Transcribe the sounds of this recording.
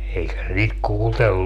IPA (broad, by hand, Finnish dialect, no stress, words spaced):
eikæ se niːt kuːltel